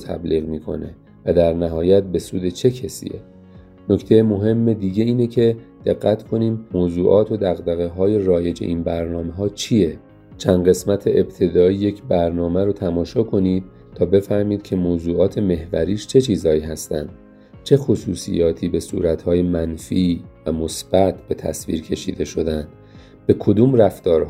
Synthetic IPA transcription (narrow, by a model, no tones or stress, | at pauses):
t̪ʰæ̰bliːɣmiːkʰo̞̰ne | væd̪æɾnæɦɒːjæt̪̚be̞sṵːd̪e̞t͡ʃʰe̞cʰesḭːḛ | no̞ct̪ʰe̞jemo̞ɦe̞mːe̞d̪iːɟe̞iːnecʰe̞d̪̥e̞ɣːæt̪kʰo̞niːmmoːzuːʔɒːt̪ʰo̞d̪æɣd̪æɣeɦɒːje̞ɾɒːje̞d͡ʒe̞̰ʔinbæɾnɒːme̞ɦɒːt͡ʃʰije̞ | t͡ʃʰænɢe̞smæt̪ʰe̞ʔeb̚t̪ʰe̞d̪ɒːije̞cʰbæɾnɒːmæɾot̪ʰæmɒːʃɒːkʰo̞niːd̪̥̚ | t̪ʰɒːbe̞fæɾmiːd̪̥cʰe̞moːzuːɒːt̪ʰe̞me̞hvæ̰ɾiːʃt͡ʃʰe̞t͡ʃʰiːzhɒːiːɦæst̪æ̰nd̪̥ | t͡ʃʰe̞xosuːsḭjɒːt̪ʰiːbe̞sṵːɾæt̪hɒːjemænfiːvæmo̞sb̥æt̪ʰb̥e̞t̪ʰæ̰svḭːɾcʰe̞ʃḭːd̪e̞ʃo̞d̪ænd̪̥ | be̞kʰo̞d̪uːmræft̪ɒːɾh